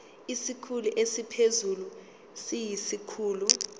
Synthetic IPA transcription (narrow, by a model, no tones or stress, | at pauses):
isikʰuluʔesipʰezulu | sijisikʰuːlu